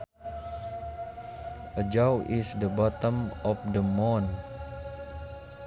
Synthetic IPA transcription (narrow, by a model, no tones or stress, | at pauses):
ʔəd͡ʒawʔisdəbɔt̪əmɔfdəmɔn